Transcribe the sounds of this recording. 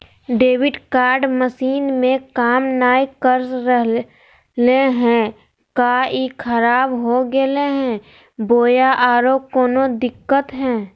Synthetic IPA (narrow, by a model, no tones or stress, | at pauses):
ɖeːwɪɖkaːɾɖməsiːnmẽkaːmnaːikəɾsɾəɦ | leɦɛ̃ | kaikʰəɾaːbɦoɡeleɦɛ̃ | boːjaʔaːɾoːkoːnod̪ɪkːət̪ɦɛ̃ː